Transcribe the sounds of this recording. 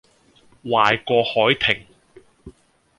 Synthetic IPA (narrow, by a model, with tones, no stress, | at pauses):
waː˨jkʷɔː˧hɔː˨˥jt̪ʰɪ˨˩ŋ